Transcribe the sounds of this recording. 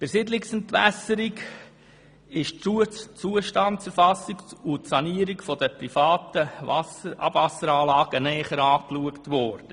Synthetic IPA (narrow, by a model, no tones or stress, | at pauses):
b̥ɪɾsɪdlɪksəntvæ̰səɾiɡ | ɪʃt͡suːəʃtɑntt͡sɛɾfɑsikʊtsɑniəɾikfɔdəpɾifaɑːtəɑsəʔɑ̰bvɑsəɾɑːlɑːɡənɛːχəɾɑːkluəktʋɔɾd̥ə